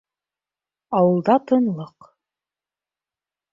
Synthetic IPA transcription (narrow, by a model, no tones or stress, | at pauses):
ɑwɤ̆lˠd̪ɑt̪ʰɤ̆nlˠɤq